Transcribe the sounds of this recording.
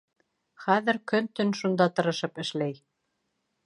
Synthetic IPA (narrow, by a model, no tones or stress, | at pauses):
χæðɘɾkɵnt̪ɵnʃund̪ɑt̪ɤ̆ɾɤ̆ʃɤpɘ̆ʃlæj